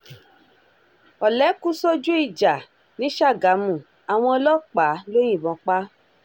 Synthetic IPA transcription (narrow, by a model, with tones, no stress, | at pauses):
ɔ˨lɛ˨˦ku˦sɔ˦d͡ʒu˦i˦˨d͡ʒa˨ | nĩ˨˦ʃa˦˨ɡa˨˦mũ˨ | a˨w̃ɔ̃˧ɔ˧lɔ˦k͡pa˨˦lõ˦ĩ˦˨bɔ̃˨˧k͡pa˦